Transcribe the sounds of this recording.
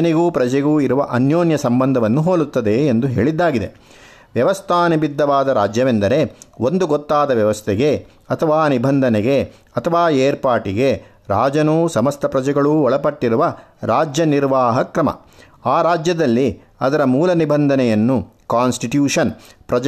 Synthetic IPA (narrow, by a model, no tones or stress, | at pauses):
ɐniɡuːpɾɐd͡ʒɛɡuːiɾuʋɐʔɐnjoːnjɐsɐmbɐnd̪ʱɐʋɐnːuɦoːlut̪ːɐd̪e̞ːnd̪uɦḛːɭid̪ːaːɡid̪ḛ | ʋjɐʋɐst̪ʰaːnibid̪ːɐʋaːd̪ɐɾaːd͡ʒjɐʋend̪ɐɾe̞o̞nd̪uɡɔt̪ːaːd̪ɐʋjɐʋɐst̪ʰɛɡe̞ | ɐt̪ʰɐʋaːnibʱɐnd̪ʱɐnɛɡe̞ | ɐt̪ʰɐʋaːeːɾpaːʈiɡe | ɾaːd͡ʒɐnuːsɐmɐst̪ʰɐpɾɐd͡ʒɛɡɐɭuːɔɭɐpɐʈːiɾuʋɐɾaːd͡ʒjɐniɾʋaːɦɐkɾɐmɐ̰ | aːɾaːd͡ʒjɐd̪ɐlːi | ɐd̪ɐɾɐmuːlɐnibʱɐnd̪ʱɐnɛjɐnːukaːnsʈiʈjuːʂɐnpɾɐd͡ʒ